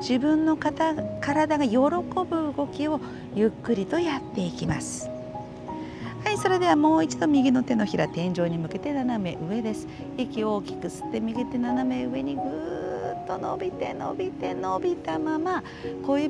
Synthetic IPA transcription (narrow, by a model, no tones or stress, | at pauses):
d͡ʑibɯ̟̃nːo̞kat̪akaɾad̪aɡajo̞ɾo̞ko̞bɯ̟ɯɡo̞kʲio̞ | jɯ̟kːɯ̟ɾʲit̪o̞jat̪ːe̞ikʲimasɨ̥ | haiso̞ɾe̞d̪e̞βamo̞ːit͡ɕid̪o̞mʲiɡʲino̞t̪e̞no̞çiɾa̰t̪ẽ̞ɲ̟d͡ʑo̞ːɲ̟imɯ̟ke̞t̪e̞naname̞ʔɯ̟e̞d̪e̞sɨ̥ | ekʲio̞ːkʲi̥kɯ̟sɨ̥t̪ːe̞mʲiɡʲit̪e̞naname̞ɯ̟e̞ɲ̟iɡɯt̪ːo̞no̞̰bʲit̪e̞no̰bʲit̪e̞no̞bʲit̪amama | ko̞ːjɯː